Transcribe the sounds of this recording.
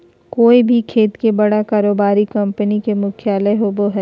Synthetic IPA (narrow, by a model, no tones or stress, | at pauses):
koːibʱikʰeːt̪kebɐɽakaːɾoːbaːɾikɐ̃mpənikemʊkʰjaːləɦoːboɦɛː